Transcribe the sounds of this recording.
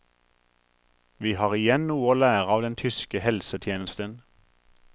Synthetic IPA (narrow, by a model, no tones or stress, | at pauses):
ʋiːhɑːʁɪjɛnnuːəoːlæːʁəɑːʋd̪ɛnt̪ʰʏskəhɛlsət̪ʰjeːnəst̪ən